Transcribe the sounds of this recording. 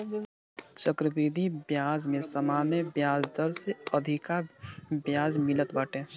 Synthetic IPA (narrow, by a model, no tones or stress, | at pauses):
t͡ʃəkɾəbɾid̪ʱibjaːd͡ʒmẽsəmaːnəbjaːd͡ʒd̪əɾseəd̪ʱɪkabjaːd͡ʒmɪlət̪baːʈe